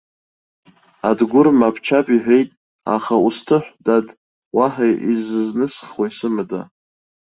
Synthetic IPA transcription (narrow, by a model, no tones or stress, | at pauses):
adɡʷʊrmapʰt͡ʃʰapʼiħʷᶣejtʼ | a̰χaustʰɨħʷdad | waħajizɨznɨsχwaisɨmɨda̰